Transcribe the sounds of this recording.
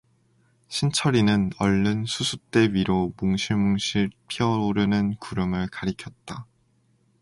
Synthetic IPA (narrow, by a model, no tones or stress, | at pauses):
ɕʰint͡ɕʰʌɾinɯnʌɭːɯnsʰusʰut͈e̞wiɾomuŋɕʰimoŋɕʰipʰiʌoɾɯnɯnkuɾɯmɯɭkaɾikʰjʌt̚t͈a